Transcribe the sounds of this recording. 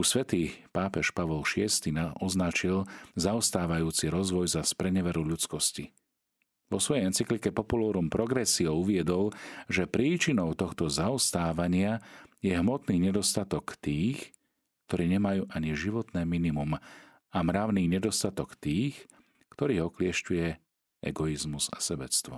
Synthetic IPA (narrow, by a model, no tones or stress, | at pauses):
usʋɛt̪iːpaːpɛʃpaʋɔlʃɪɛst̪inaʔɔznat͡ʃilzaɔst̪aːʋajuːt͡siɾɔzʋɔjzaspɾɛɲɛʋɛɾuʎut͡skɔsci | ʋɔsʋɔjɛjɛnt͡siklikɛpɔpulɔːɾumpɾɔɡɾɛsiɔʊuʋɪɛd̪ɔlʒɛpɾiːt͡ʃinɔʊt̪ɔxt̪ɔzaɔst̪aːʋaɲɪajɛɦmɔt̪niːɲɛd̪ɔst̪at̪ɔkt̪iːx | kt̪ɔɾiːɲɛmajuːʔaɲiʒiʋɔt̪nɛːminimum | amɾaʊniːɲɛd̪ɔst̪at̪ɔkt̪iːx | kt̪ɔɾiːɦɔklɪɛʃcujɛ | ɛ̰ɡɔizmuza̰sɛbɛt͡st̪ʋɔ̰